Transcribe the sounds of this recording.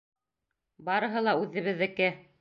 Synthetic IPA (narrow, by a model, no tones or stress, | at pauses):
bɑɾɤ̆ɦɤlˠɑʉðɘ̆βɘ̆ðːɘ̆kɘ